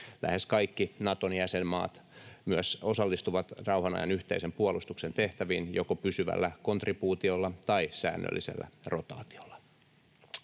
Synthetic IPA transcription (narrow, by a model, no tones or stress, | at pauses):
lʔæ̰heskɑikːinɑt̪onjæsemmɑ̰ːt̪myæso̞sɑlːist̪uʋɑt̪rɑwhɑnɑ̰jɑ̰nyht̪ḛisempuolust̪uksent̪eht̪æʋiːnjokopysyʋæ̰lːækont̪ripuːt̪iolːɑt̪ɑisæ̰ːnːø̰lːisḛlːæ̰rot̪ɑ̰ːt̪i̥olːɑ̥